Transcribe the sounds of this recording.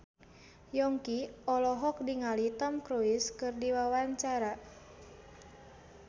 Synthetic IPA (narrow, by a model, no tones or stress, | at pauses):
jɔŋkiɔlɔɦɔk̚diŋalit̪ɔmkɾuiskɨrdiwawaɲt͡ʃaɾa